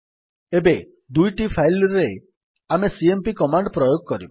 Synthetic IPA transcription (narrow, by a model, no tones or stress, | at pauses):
ebe | d̪ujʈipʰajlɾe | amesiempikɔmaɳɖpɾɔjoɡ̚kɔɾib